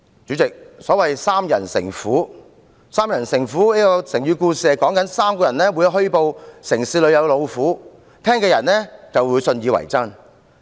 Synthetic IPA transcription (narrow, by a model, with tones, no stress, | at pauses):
t͡syː˨˥t͡sɪ˨k̚sɔː˨˥wɐ˨jsaː˥mjɐ̰˨˩nsɪ̰˨˩ŋfuː˨˥ | saː˥mjɐ˨˩nsɪ˨˩ŋfuː˨˥niː˥kɔː˧sɪ˨˩ŋjyː˨˧kuː˧siː˨kɔː˨˥ŋkɐ˨˥nsaː˥mkɔː˧jɐ˨˩nɛː˥wu˨˧jɦɵ˥ɥpo˨˧wsɪ˨˩ŋsiː˧lɵ˨˧ɥjɐ˨˧wlo˨˧wfuː˨˥ | t̪ʰɛː˥ŋkɛː˧jɐ˨˩nɛː˥t͡sɐ˨wwuː˨˧jsɵ˧njiː˨˧wɐ̰˨˩jt͡sɐ˥ŋ